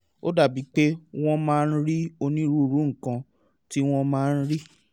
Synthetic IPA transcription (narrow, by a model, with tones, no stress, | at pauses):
o˦da˦˨bi˨˦k͡pe˦w̃ɔ̃˦mãː˦˧n̩˦ɾi˦o˧nĩ˦ɾu˦˧ɾu˨˦ŋ̩˨kã˧ | ti˦w̃ɔ̃˦mãː˦˧n̩˦ɾi˦